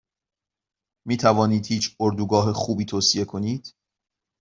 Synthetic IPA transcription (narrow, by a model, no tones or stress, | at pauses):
miːt̪ʰævɒːniːd̪hiːt͡ʃʰoɾd̪uɡɒːɦexuːbiːt̪ʰoːsie̞kʰo̞niːd̪̥